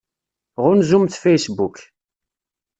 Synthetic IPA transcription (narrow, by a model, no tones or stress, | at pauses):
ʁʊnzumθfejsbuk